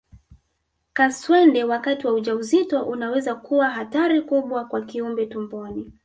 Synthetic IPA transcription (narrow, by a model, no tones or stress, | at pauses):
kaswɛndɛwakatiwauʄauzitɔʔunawɛzakuwaɦataɾikuɓwakwakiumbɛtumbɔni